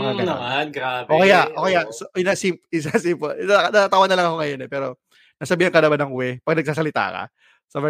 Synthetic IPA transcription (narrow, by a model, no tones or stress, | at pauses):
mɐkaːɡɐɐmanɡɾaːbʔoːkɛjaʔoːkɛjasɪnɐsimpɪs̬asimpoanɐt̪ːt̪aːwɐdnɐlɐŋɐko̞ŋɐjo̞nɛpɛːɾo̞ | nɐsɐbiːhɐnŋkɐnɐbanɐŋʊwɛpɐɡ̚nɐɡ̚saːsɐlɪt̪a̰ːkɐ̰ | sɐvɛ